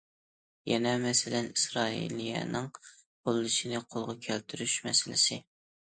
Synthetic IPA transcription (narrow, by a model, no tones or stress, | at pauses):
jɛnɛmɛsɪlɛnisɾɑːḭlijɛ̰nɨŋ | bolˠːɨʃinɪqʰolˠʁɑkʲʰælt̪ʰyɾyʃmɛsɪlɪ̰sɪ